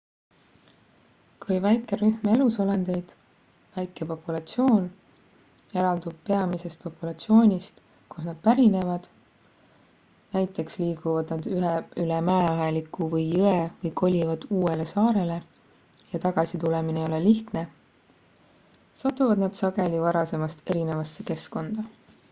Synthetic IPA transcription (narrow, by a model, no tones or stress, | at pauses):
kujvæjkːˑe̞ɾyhme̞luso̞lend̪̥e̞jd̪̥ | væjkːˑe̞po̞pːulɑt̪sio̞ːn | e̞ɾɑld̪ub̥̚pe̞ɑmise̞st̪̚po̞pːulɑt̪sio̞ːnʲist̪ | kusnɑd̪̥̚pæɾine̞vɑd̪̥ | næjt̪ːˑe̞ksliːɡ̥uvɑd̪̥nɑd̪̥yɦylɛmæeɑɦelikːˑuvɤjːɯevɤjkʰo̞lʲivɑd̪̥uːe̞le̞sɑːɾe̞le̞ | jɑt̪ɑɡ̥ɑsit̪uleminejo̞leliht̪ne̞ | sɑt̪ːˑuvɑd̪nɑd̪̥sɑɡ̥e̞lʲivɑɾɑse̞mɑst̪e̞ɾine̞vɑsːe̞ke̞sko̞nd̪̥ɑ